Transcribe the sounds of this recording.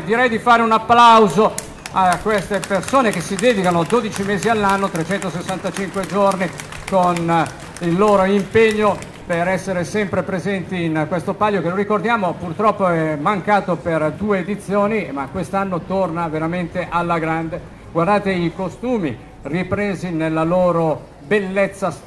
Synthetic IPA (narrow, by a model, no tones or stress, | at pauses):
d̪iɾɛjd̪ifaːɾeunapːlawzo | akːwest̪epersoːnek̟esid̪ɛːd̪ikanod̪oːd̪it͡ʃimeːzialːanːot̪ɾet͡ʃɛnt̪osesːant̪at͡ʃiŋkwed͡ʒorni | kon | ilːoːɾoimpeɲːo | peɾɛsːeɾesɛmpɾepɾezɛnt̪iːnkwest̪opaʎːokeloɾikord̪jaːmopurt̪ɾɔpːoɛmaŋkaːt̪operd̪uːeːd̪it̪sːjoːnimakːwest̪anːot̪ornaveɾament̪eʔalːaɡɾand̪e | ɡward̪aːt̪eikost̪uːmi | ripɾeːzinelːaloːɾo | belːet̪sːa